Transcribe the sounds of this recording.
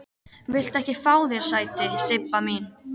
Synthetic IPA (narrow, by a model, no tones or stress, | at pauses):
vɪl̥t̪ɛhcɪfaːwðɛɾ̥saːjt̪ɪsɪpːamin